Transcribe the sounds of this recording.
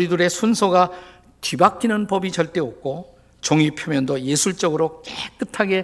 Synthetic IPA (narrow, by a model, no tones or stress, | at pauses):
ɾidɯɾe̞sʰunsʰoɡa | t͡ɕibakʰinɯnpʌbit͡ɕʌɭt͈e̞ok̚k͈ʰo | t͡ɕʌŋipʰjomjʌndʌjesʰuɭt͡ɕ͈ʌɡɯɾok͈ek͈ɯtʰaɡe̞